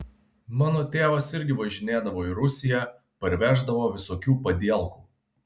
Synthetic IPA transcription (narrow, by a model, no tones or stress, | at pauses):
mɑːnoːt̪ʲeːʋɐsɪɾʲɡʲɪʋɐʒʲɪnʲeːd̪ɐʋoːiɾʊsʲɪjæ | pɐɾʲʋʲæːʒd̪ɐʋoːʋʲɪsoːkʲuːpɐd̪ʲiɛlˠkuː